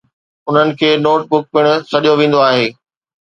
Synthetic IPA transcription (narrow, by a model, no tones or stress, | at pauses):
ʊn̤ənɪ̆kʰeːnoːʈ̚bʊk̚pɪɽ̃ʊ̆sɐɗijoʋẽːn̆d̪oaːɦeː